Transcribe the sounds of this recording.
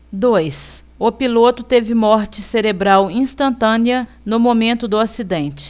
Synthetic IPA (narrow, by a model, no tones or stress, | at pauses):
d̪ojs | ʊpilot̪ʊt̪evɪmɔɾt͡ʃɪseɾebɾawĩst̪ɐ̃nt̪ɐ̃niɐ | nʊmomẽnt̪ʊd̪ʊasid̪ẽnt͡ʃɪ̥